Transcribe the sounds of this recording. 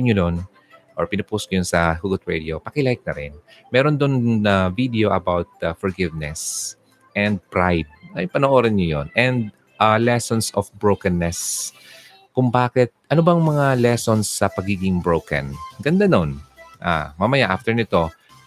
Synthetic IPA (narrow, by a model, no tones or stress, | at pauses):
ɲɲʊd̪on | ʔoɹpɪnɐpoːskʊjʊnsɐhʊɡʊt̪̚ɹɛd̪ɪo̞pɐkɪlajk̚nɐɾɪnmɛːɾond̪onɐvid̪ɛo̞ʔɐbawt̪̚fɔɹɡɪvnɛs | ʔɛnd̪̚pɹajd̪̚ɐjpɐnoʔoːɾɐnɲojonʔɛnd̪̚ | ʔalɛsonsofbɹowkɐnːɛs | kʊŋbaːkɛt̪̚ʔɐnobɐŋmɐŋalɛso̞nsːɐpɐɡiːɡɪŋbɹowkɐ̰nɡɐnd̪anonʔa̰mɐmɐjaʔaft̪ɛɹnɪt̪o̞